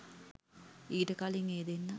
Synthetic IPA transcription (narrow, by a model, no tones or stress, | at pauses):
iːʈəkaliŋeːd̪enːə